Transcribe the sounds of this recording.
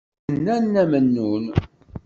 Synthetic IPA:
nːænːæmənːun

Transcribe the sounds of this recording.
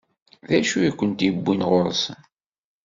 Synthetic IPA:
ðæʃujikʷːənt̪jəbːinʁʊɾˤsən

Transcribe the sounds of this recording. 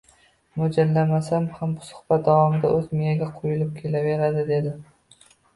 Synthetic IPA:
mʊd͡ʒalːamasamhambʊsʊ̥hb̥at̪̚d̪avɒmɪd̪aʔɵzmɪjaɡʲaqʰojʊlɪp̚kʲʰe̞lave̞ɾad̪ɪd̪e̞d̪ɪ

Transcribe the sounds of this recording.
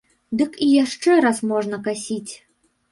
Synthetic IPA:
d̪ɨkijaʂt͡ʂɛɾasmɔʐnɐkasʲit͡sʲ

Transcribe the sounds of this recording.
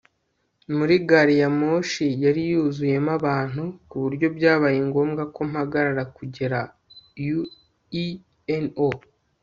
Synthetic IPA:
muɾiɡaɾijamo̞ːʃijaɾijuːzuje̞maβaːn̥hukuβuɾɟo̞bɟaːβajiŋɡo̞ːmɡako̞m̥haɡaɾaɾakuɟe̞ɾa | ju | i | eno

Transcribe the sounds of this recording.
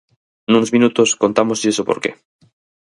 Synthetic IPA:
nunozmĩnut̪oskont̪amosiesopoɾkḛ

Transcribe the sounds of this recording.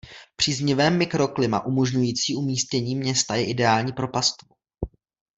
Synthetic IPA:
pr̥iːzɲɪvɛːmːɪkɾo̞klɪma̰ʔumoʒɲujiːt͡siːʔumiːscɛɲiːmɲɛst̪ajɛʔɪdɛaːlɲiːpɾo̞past̪vo

